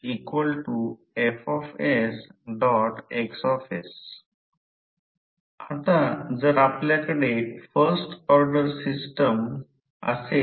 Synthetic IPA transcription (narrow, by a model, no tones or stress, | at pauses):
ikʋəlʈu | efɔfesɖɔʈeksɔfes | at̪ad͡zəɾapljakəɽeʈfəɾsʈɔɾɖəɾsisʈəm | ə̰se